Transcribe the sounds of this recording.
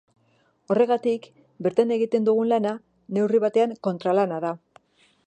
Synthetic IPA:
o̞re̞ɣat̪ik | be̞ɾt̪ane̞ɣ̞it̪e̞nd̪uɣ̞unlana | ne̞wriβ̞at̪e̞aŋko̞nt̪ɾalanaða

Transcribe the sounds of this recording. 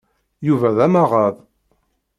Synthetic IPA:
juvæðæmaʁɑð

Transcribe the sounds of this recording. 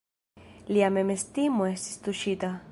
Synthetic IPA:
liamemest̪imoesi̥st̪uʃit̪a

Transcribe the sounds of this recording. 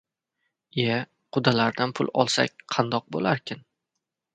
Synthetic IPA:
e | qʰʊd̪alaɾd̪anpʰʊlˠɒ̰lˠsa̰k̚ʲqʰɑnd̪ɒq̚bo̰laɾkʲʰɪn

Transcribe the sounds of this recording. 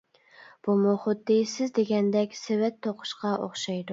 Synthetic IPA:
b̥umoχʊd̪ːisɪzd̪eɡʲɛnd̪ɛkʲsewɛt̪ʰːoqʰʊ̥ʃqɑʔo̰χʃɑjd̪u

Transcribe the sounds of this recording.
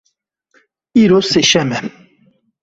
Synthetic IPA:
iɾoseʃɛmɛ

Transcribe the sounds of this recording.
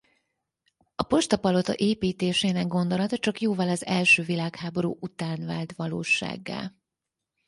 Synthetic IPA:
ɒpo̞ʃt̪ɒpɒlo̞t̪ɒ̰ʔeːpiːt̪eːʃeːnɛɡ̚ɡo̞nd̪o̞lɒt̪ɒt͡ʃɒkjoːvɒlɒzɛlʃøːvilaːkhaːbo̞ɾuːʔut̪aːnvaːlt̪ʋɒloːʃa̰ːɡːa̰l

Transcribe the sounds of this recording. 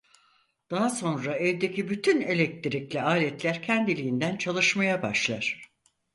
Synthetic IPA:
d̪̥aɦaso̞nɾaɛvd̪ecʰibyt̪ʰyne̞lʲɛk̚t̪ʰiɾiclʲɛaːlʲɛt̪lʲæɾcʰɛnd̪ilʲijind̪ænt͡ʃʰalˠɯʃmajabaʃlˠaɾ̥

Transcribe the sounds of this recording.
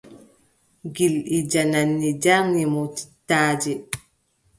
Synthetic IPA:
ɡilʔid͡ʒananːid͡ʒaŋːimɔti̥tːaːd͡ʒɛ

